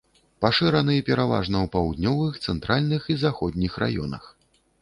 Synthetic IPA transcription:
paʂɨɾɐnɨjɛpʲɛɾava̰ʐnɐwpawd̪nʲɔvɨxt̪sɛnt̪ɾʔalʲnɨxizaxɔd̪ʲnʲixra̰jɔ̰nɐ̰x

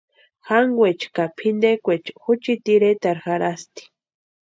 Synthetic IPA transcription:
xaŋɡwet͡ʃkapʰind̪ekʷet͡ʃxut͡ʃit̪iɾet̪aɾxaɾast̪i̥

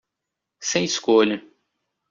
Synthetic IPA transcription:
sẽj̃iskoʎɐ

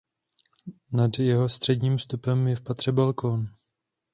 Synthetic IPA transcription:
nadjɛɦo̞st̪r̥ɛdɲiːmfst̪upɛmjɛfpat̪r̝̥ɛbalkʰon

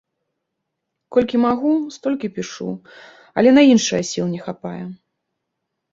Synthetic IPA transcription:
kɔlʲkʲimaɣust̪ɔlʲkʲipʲiʂṵ | ɐ̰lʲɛnɐinʂɨjɐsʲilˠnʲɛxapajɛ

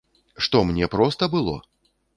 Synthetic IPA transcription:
ʂt̪ɔmnʲɛpɾɔst̪ɐbɨlˠɔ̰

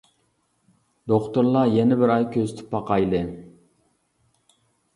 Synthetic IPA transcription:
d̪oχt̪ʊɾlˠɑjɛnɪbɪɾɑjkʲʰøzɪt̪ʰɪ̥pːɑqɑjlˠɨ

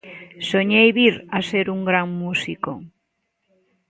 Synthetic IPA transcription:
soɲejβiɾaseɾuŋɡɾaŋmusiko̰

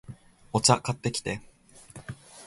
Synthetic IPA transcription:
o̞t͡ɕakat̪ːe̞kʲi̥t̪e̞

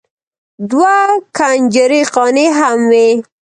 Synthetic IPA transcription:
d̪wakʰand͡ʒaɾiqɑniɦamwi

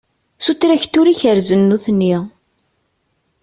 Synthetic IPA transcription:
sut̪ːɾæçt̪ːuɾiçəɾzənːuθnːi

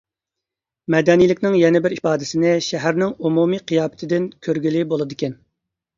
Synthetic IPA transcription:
mɛd̪ɛnijlɪkʲnɪŋjɛnɪbɪɾipɑːd̪ɪsɪnɪʃæɦæɾnɪŋumumiqʰijɑːbɪ̥t̪ʰɪd̪ɪnkʲʰøɾɡʲilɪbolˠɨd̪ɨkʲɛn

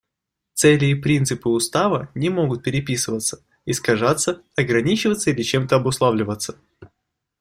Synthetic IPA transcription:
t̪sɛlʲɪːpɾʲint̪sɨpɨʊst̪avənʲɪmo̞ɡʊt̪̚pʲɪɾʲɪpʲisɨvət̪sə̥ | ɪskɐʐat̪sə | ɐɡɾɐnʲit͡ɕɪvət̪səilʲɪt͡ɕemt̪əɐbʊslˠavlʲɪvət̪sːə̥

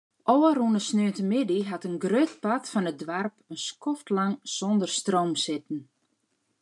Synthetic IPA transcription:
ʔowərunəsnøəntəmɪdiɦatənɡrøt̚patfɔnət̚dʋarpənskɔftlaŋsɔndərstrowmsɪtn̩

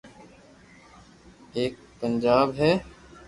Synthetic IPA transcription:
eːk̚pənd͡ʒaːbɦɛː

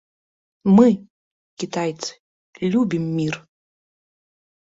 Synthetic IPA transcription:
mɨ | kʲit̪ʰajt̪t͡s̪ʰɨ̥ | lʲubʲimːir

